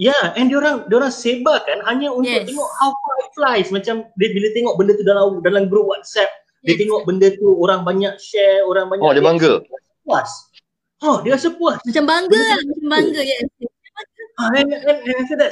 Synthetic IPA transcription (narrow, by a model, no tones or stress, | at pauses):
jaɛndioɾaŋdiaoɾaŋsebakanɦaɲaunʊk̚t̪eŋɔʔhawfaiflajsmat͡ʃamdbilat̪eŋɔʔ̚bəndət̪udalamdalamɡɾup̚wat̪̚sɛp̚ | iat̪eŋɔʔ̚bəndət̪uoɾaŋbaɲak̚ʃɛoɾaŋbaɲaɔdiabaŋɡəiasəp̚uas | ɔdiasəpuasat͡ʃambaŋɡəmaambaŋɡəja | aɛɛnɛnaft̪ədɛt̚